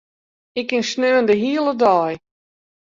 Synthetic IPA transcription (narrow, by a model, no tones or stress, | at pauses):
ɪkːɪnsnøːəndəɦiəlˠədɔːj